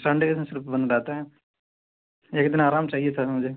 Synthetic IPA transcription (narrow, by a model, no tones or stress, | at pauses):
sɐ̃ɳɖkessɪɾfbɐ̃nd̪laːt̪aɦɛː | jekɪd̪naːɾaːmt͡ʃaːɦiet̪ʰamʊd͡ʒʱe